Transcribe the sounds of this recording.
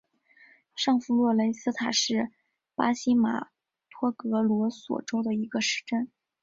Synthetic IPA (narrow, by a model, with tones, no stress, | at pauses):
ʂɑ˥˩˧ŋfu˧˥lwɔ˥˩le˧˥ɪsɹ̩˥t̪ʰa˨˩ʂɻ̩˥˩ | pa˥ɕi˥ma̰˨˩ | t̪ʰwɔ˥kɤ˧˥lwɔ˧˥swɔ̰˨˩ʈ͡ʂo˥ʊd̪ə˨i˧˥ɡə˧ʂɻ̩˧˥ʈ͡ʂə˥n